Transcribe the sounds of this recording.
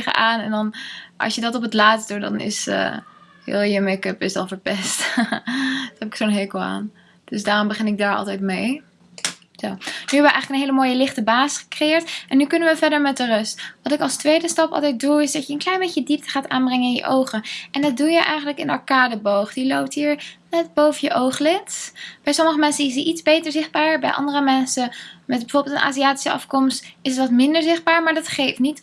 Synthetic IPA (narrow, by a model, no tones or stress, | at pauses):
χə̰ʔaːnɛ̰ndɑnʔɑ̰sjədɑtɔpətlaːtsdudɑ̰nɪ̰sə̰ | hɪ̰lˠjəmɛkøpɪsɑ̰lˠvəɹpɛst | dnɛpɪ̥ksoːnɦekoa̰ːn | d̥øsdaːrɔmbəχɪnɪɡ̚daːɹɑ̰lˠtɛjtmej | zonyɛbəʋəɛ̰jxələkənɦeɪjləmoːjəlɪχtəbaːsχə̥krejɪːɹtʔɛnːykɵnənʋəvɛɹdəɹmɛt̚dərɵstʋɑtɪkɑlˠstʋejdəstɑpɑ̰lˠtɛjt̚duɪsdɑtjəənklɛjnbejcədip̚tə̥χaːta̰ːnbrɛŋəɪnjə̰ʔowχənʔɛndɑt̚dujəʔɛjχənləkɪnɑ̰ɹkaːdəbowχdilowp̚tɦiːɹnɛt̚bowvəjəʔowχlɪtb̥ɛjsɔməχəmɛnsənɪs̬diʔitzbejtəɹzɪχd̚baːɹəbɛ̰jʔɑ̰ndərəmɛnsəmɛtbəvʊɹbɪlˠtənʔa̰ːziaːti̥səɑ̰fkɔmstɪsətʋɑtmɪndəɹzɪχd̚baːɹmaːɹdɑtχejftnit